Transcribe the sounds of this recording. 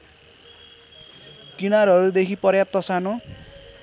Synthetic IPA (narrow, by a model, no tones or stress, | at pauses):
kinarʌɾud̪ekʰipʌrjap̚t̪ʌsano